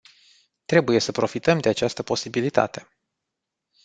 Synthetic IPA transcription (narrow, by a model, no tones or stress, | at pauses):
t̪ɾe̞buje̞səpɾo̞fit̪əmd̪e̞at͡ʃast̪əpo̞sibilit̪a̰t̪e̞